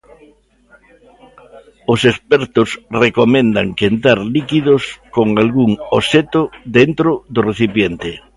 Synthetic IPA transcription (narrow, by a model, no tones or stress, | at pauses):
ʊsespɛɾt̪ʊsrekomẽnd̪aŋkent̪aɾlikiðʊskoŋalɣuŋoset̪ʊðent̪ɾʊðʊreθipjent̪e